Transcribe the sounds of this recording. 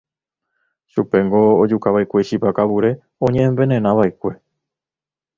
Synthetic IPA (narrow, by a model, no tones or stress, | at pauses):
ʃupe̞ŋɡo̞ːd͡ʒukaβaekʷe̞ʃipakaβuɾe̞ | õɲẽʔẽmbe̞nẽnãʋaekʷe̞